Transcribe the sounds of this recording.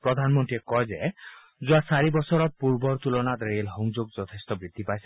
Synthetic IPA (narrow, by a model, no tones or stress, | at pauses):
pɾɔd̪ʱanɔmɔnʈ̪iɾekɔjd͡ʒe | d͡ʒuasaɾibɔsɔɾɔpuɾbɔɾt̪ulɔnad̪eɾielɦɔŋd͡ʒoɡ̚d͡ʒɔt̪ʰest̪ɔbɾid̪ʱːipajs